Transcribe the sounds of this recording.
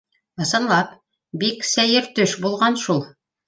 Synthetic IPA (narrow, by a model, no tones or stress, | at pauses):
ɤ̆sɤ̆nlˠɑp | biksæjɘɾt̪ɵʃbulˠʁɑnʃulˠ